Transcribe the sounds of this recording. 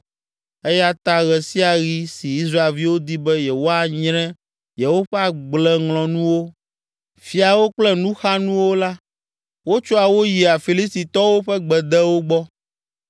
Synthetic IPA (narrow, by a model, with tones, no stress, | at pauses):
e˦ja˦t̪a˦ɣɛ˨si˦a˨ɣi˦si˨i˦s̬ɾa˦e˨lvi˦wo˦d̪i˦bɛ˦jɛ˨wo˦a˨ɲɾɛ̃˦ | jɛ˨wo˦ɸɛ˦a˨ɡ͡blɛ˦ŋlɔ̃˨nũ˦wo˦ | fi˨a˨wo˦k͡plɛ˦nũ˦xa˦nũ˦wo˦la˦ | wo˦t͡ʃɔ˦a˨wo˦ji˨a˨fi˨li˦st̪i˨t̪ɔ˦wo˦ɸɛ˦ɡ͡bɛ˨d̪ɛ˦wo˦ɡ͡bɔ˦